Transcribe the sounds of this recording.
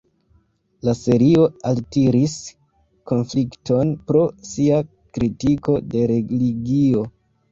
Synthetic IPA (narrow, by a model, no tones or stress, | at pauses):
lase̞ɾio̞altiɾis | ko̞nflikto̞npɾo̞sia | kɾitiko̞de̞ɾe̞liɡio̞